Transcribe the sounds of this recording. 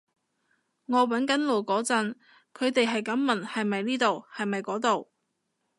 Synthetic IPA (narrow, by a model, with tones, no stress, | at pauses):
ŋɔː˨˧wɐ˨˥nkɐ˨˥nlo˨˩wkɔː˨˥t͡sɐ˨˧n | kʰɵ˨˧ɥt̪e˨jɦɐ˨jkɐ˨˥mmɐ˨˩nhɐ˨jmɐ˨jniː˥t̪o˨whɐ˨jmɐ˨jkɔː˨˥t̪o˨˩w